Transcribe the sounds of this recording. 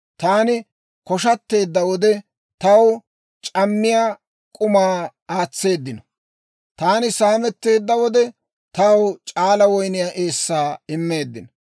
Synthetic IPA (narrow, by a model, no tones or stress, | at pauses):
t̪aːnɪ | kɔʃɐt̪ːe̞ːd̪ːɐwɔd̪ɛ | t̪ɐw | t͡ʃʼɐmːɪjaː | kʼʊmaː | aːt͡sːe̞ːd̪ːɪnɔ | t̪aːnɪsaːmɛt̪ːe̞ːd̪ːɐwɔd̪ɛ | t̪ɐwt͡ʃʼaːlɐwɔjnɪjaːʔeːsːaːɪmːe̞ːd̪ːɪn